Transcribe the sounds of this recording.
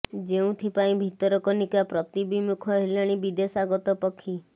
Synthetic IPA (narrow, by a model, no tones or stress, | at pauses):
d͡ʒeũt̪ʰipaĩbʱit̪ɔɾɔkɔnikapɾɔt̪ibimukʰɔɦilaɽ̃ibid̪esaɡɔt̪ɔpɔkʰːi